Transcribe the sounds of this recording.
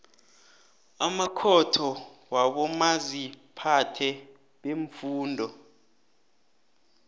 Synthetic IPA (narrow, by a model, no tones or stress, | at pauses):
amakʰɔtʰɔwaɓɔmazipʰatʰɛ | ɓeɱfuːndʱɔ